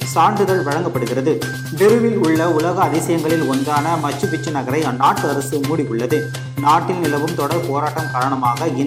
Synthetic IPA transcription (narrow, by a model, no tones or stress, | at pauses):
saːɳdɯðɐlʋɐɻɐŋɡɐpːɐɽɯɣɪrɐðɯ | ʋɪɾɯʋɪlʊɭːɐʊlɐɣɐːðɪsɐjɐŋɡɐɭɪlɔndaːnɐmɐt͡ʃːɯʋɪt͡ʃːɯnɐɣɐɾɐɪnːaːʈːɯɐɾɐsɯmuːɽɪjɯɭːɐðɯ | naːʈːɪlnɪlɐʋɯmt̪ɔɽɐɾpoːɾaːʈːɐmkaːɾɐɳɐmaːɣɐɪn